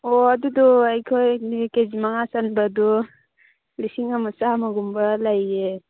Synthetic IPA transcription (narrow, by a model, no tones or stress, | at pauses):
ɔadudɔajkʰojnikezimaŋasanbadɔ | lisiŋamasamaɡumbalaje